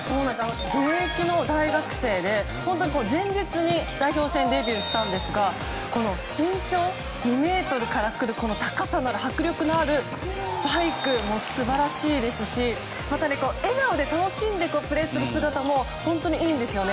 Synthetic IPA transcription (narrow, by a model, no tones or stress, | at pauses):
so̞ːnãnesanoɡ̪ekʲino̞d̪aiɡakɯ̟̥se̞ːd̪e̞ | hõ̞nt̪oɲ̟iko̞no̞zẽ̞ɲ̟d͡ʑit͡sɨɲ̟id̪̥aiço̞ːsẽ̞nd̪e̞bʲjɯːɕi̥t̪ãnd̪e̞sɨɡa | ko̞no̞ɕĩɲ̟t͡ɕo̞ː | nʲime̞ːt̪o̞ɾɯ̟kaɾakɯ̟ɾɯ̟ko̞no̞t̪akasanoaɾɯ̟hakɯ̟ɾʲjo̞kɯ̟noaɾɯ̟ | sɨ̥paikɯ̟mo̞sɨbaɾaɕiːd̪e̞sɨɕi | mat̪aiko̞ːe̞ɡaod̪e̞t̪ano̞ɕĩnd̪e̞koːpɯ̟ɾe̞ːsɨɾɯ̟sɨɡat̪amo̞ | hõ̞nt̪o̞ɲ̟iiːnd̪e̞sɨjo̞ne